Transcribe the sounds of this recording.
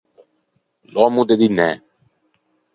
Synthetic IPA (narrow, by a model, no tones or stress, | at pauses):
lɔmũd̪ed̪inɛ